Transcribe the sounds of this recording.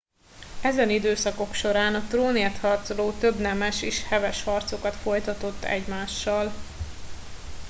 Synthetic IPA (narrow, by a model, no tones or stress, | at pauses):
ɛzɛnid̪øːsɒko̞kʃo̞ɾaːnɒt̪roːnet̪hɒrt̪so̞loːt̪ø̞bnɛmɛʃeːʃhɛvɛʃhɒrt̪so̞kɒt̪fo̞jt̪ɒt̪o̞t̪ːɛ̰ɟmaːʃːɒl